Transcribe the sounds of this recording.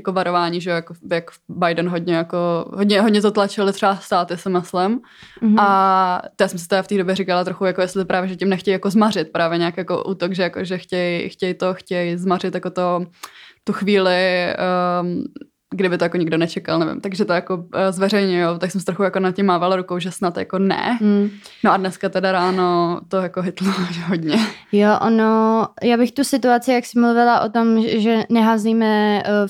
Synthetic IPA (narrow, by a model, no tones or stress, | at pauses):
jakovaɾovaːɲiːʒɛjojakojakbajdɛnɦodɲɛjakoɦodɲɛɦodɲɛt̪ot̪lat͡ʃɪlɪt̪r̝̥ɛast̪aːt̪ɪsɪmɪslɪm | at̪jaːsɛmsɪt̪ɛɾaft̪iːdo̞bjɛɾikalat̪ɾoxujakojɛstlɪpɾaːvjɛʒɛcɪmnɛxcɛjjakozmarɪt̪̚pɾaːvjɛɲaːkjako̰ʔuːt̪oɡʒɛjakoʒɛxcɛjxcɛjt̪oxcɛjzmarɪt̪jako̞t̪o | t̪uxviːlɪ | ɡdɪbɪt̪ojakoɲɪɡdonɛt͡ʃɛka̰lnɛvɪ̰mt̪aɡʒɛt̪ojakozvɛɾɛjɲʊjowt̪aksɛmsɪt̪ɾoxujakonat̪̚cɪmːaːvalɾukowʒɛsnat̪ja̰konɛ̰ | noʔadnɛskat̪ɛdaɾaːnot̪ojakoɦɪt̪loʒɛɦodɲɛjoʔonojaːbɪxt̪usɪt̪uat͡sɪjaksɪmluvɪlaʔot̪omʒɛnɛɦaːzliːmɛ